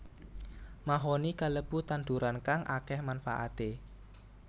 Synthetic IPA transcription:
maɦonikaləb̥ut̪and̪uɾankaŋʔa̰kɛhmanfa̰ʔa̰t̪e

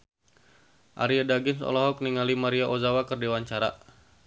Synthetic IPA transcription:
ʔa̰ɾiadaɡɪnsɔ̰lɔɦɔk̚niŋalimaɾiaʔozawakərdewaɲt͡ʃaɾa

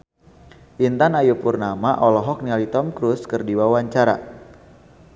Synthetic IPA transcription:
ʔint̪anajupurnamaʔɔlɔɦɔk̚nialit̪ɔmkɾuskərdiwawaɲt͡ʃaɾa

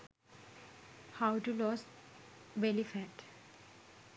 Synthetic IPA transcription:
haʊʈulɔːs | belifɛʈ

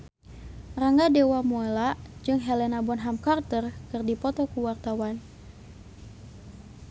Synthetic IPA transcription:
raŋɡadewamɔelaʔd͡ʒɨŋɦɛlɛnabɔnɦamkart̪ərkɨrdipɔt̪ɔkuwart̪awan

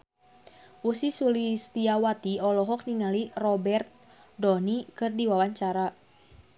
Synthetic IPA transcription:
ʔusisulist̪iawat̪iɔlɔɦɔk̚niŋalirɔbɛrt̪̚ | dɔnikɨrdiwawaɲt͡ʃaɾa

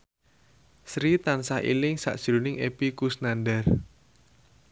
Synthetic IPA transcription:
sɾit̪ansahʔḭlɪŋsa̰ʔd̥ʒ̥ɾunɪŋʔepikusnanɖar

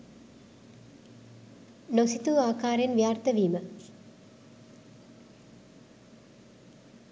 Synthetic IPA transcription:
nosit̪uaːkaːɾjenʋjaːrt̪ɐʋiːmə

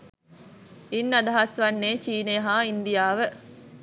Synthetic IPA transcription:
inːɐd̪ɐɦɐsʋɐnːeːt͡ʃiːneɦaːind̪ijaːʋə

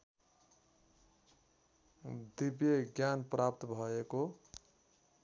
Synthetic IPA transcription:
d̪ibjeɡjanprap̚t̪bʱʌeko

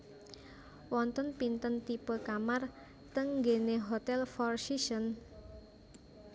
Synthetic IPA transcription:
wɔnt̪ɔnpint̪ənt̪ipəkamar | t̪əŋɡeneɦot̪ɛlfɔrsisən

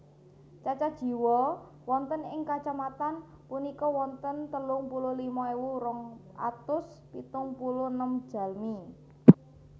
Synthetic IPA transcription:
t͡ʃat͡ʃad̥ʒ̥i̤wɔ | wɔnt̪ənɪŋkat͡ʃamat̪an | punikɔwɔnt̪ənt̪əlʊŋpulʊlimaiwuɾɔŋʔa̰t̪ʊs | pit̪ʊŋpulʊnəm̥d̥a̤lmi

